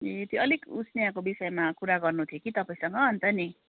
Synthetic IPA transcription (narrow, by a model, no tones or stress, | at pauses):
et̪joʌlikut͡sʰnijakobisʌjmakuɾaɡʌrnut̪ʰjokit̪ʌpaĩsʌŋɡʌɦʌnt̪ʌni